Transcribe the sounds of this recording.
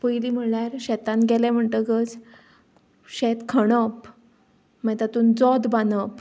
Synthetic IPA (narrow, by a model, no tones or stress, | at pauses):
pəjlim̤əɳlaɾɕɛt̪ãnɡɛlɛ̃m̤əɳʈəɡət͡s | ɕet̪kʰəɽ̃əp | mat̪at̪uːnd͡zɔd̪banəp